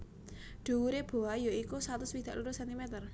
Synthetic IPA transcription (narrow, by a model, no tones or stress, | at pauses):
ɖ̪̥ṳuɾeb̥o̤ajoikusat̪ʊswid̪̥a̤ʔluɾʊsɛnt̪imɛt̪ər